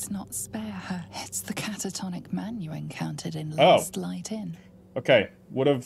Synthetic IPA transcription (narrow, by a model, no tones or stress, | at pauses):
znətspɛːəhɪtsðəkʰatətʰɒnɪk̚mãnjəɛ̃nkʰãʊ̃ntʰəɾɪ̃nloʊsˡlaɪtɪ̃n | oʊkʰeɪ | wʌɾəv